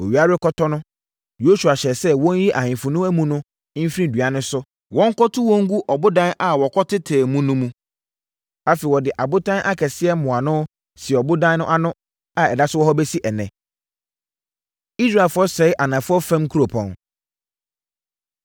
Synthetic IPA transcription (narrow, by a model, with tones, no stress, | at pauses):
o˨ɥi˨˦a˦ɾɪ˦kʰɔ˦tʰɔ˦nʊ̃˦ | jo˦su˨a˨ɕɛ˨sɛ˦wɔ̃˦n˦ji˦ʔa˨hɪ̃˨fʊ˨nʊ̃˦æ˦mũ˦nʊ̃˦ | m̩˦fɾĩ˦dɥa˨˦nʊ̃˦sʊ˦ | wɔ̃˦ŋ˦kʰɔ˦tʰʊ˦wɔ̃˦ŋ˦ɡu˦ʔɔ˨bʊ˦dã˦na˨wɔ˨kʰɔ˦tʰɪ˦tʰɛː˨mũ˦nʊ̃˦mũ˦ | a˦fe˨wɔ˨dɪ˨ʔa˨bʊ˦tʰã˦nʔa˦kʰɛ˨sɪ˦ɛ˦mʊ̃˨a˨nʊ̃˦ | sɪ˨ɛ˨ɔ˨bʊ˦dã˦n˦ʊ̃˦ʔa˦nʊ̃˦ | a˨ɛ˨da˦sʊ˦wɔ˦ɦɔ˦bɛ˦si˦ʔɛ˨nɛ̰̃˨ | i˦sɾa˨fʊ˦ɔ˦sɛ˨ɪ˦ʔa˨nã˨fʊ˦ɔ˦fã˦m˦kʰu˦ɾo˨pʰɔ̰̃˨n